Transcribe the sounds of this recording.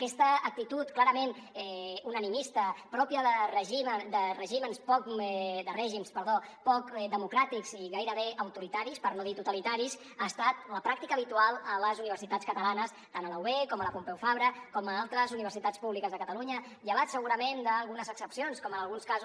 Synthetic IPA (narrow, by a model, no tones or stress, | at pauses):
əkɛst̪əːk̚t̪it̪ut̪klaɾəmenɛunənimist̪əpɾɔpjəðərəʒimd̪ərəʒimənspɔkd̪ərɛʒimspəɾðopɔkd̪əmukɾat̪ikziɣajɾəβeʔəwt̪uɾit̪aɾispəɾnoðit̪ut̪əlit̪aɾis | aːst̪at̪̚ləpɾak̚t̪ikəːβit̪ualˠələzuniβəɾsit̪at͡skət̪əlanəst̪anələuβekɔmələpumpɛwfaβɾəkɔməalˠt̪ɾəzuniβəɾsit̪at͡spuβlikəzðəkət̪əluɲə | ʎəβat̪səɣuɾəmend̪əːlˠɣunəzəksəpsionskɔmənəlˠɣunskazu